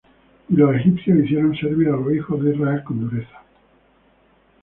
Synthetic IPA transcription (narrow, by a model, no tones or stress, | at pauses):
ilosexipθjosiθjeɾonseɾβiɾalosixozðeizraelkond̪uɾeθḁ